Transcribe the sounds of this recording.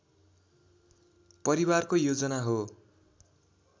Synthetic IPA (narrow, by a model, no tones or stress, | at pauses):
pʌɾiwarkojod͡zʌnaɦo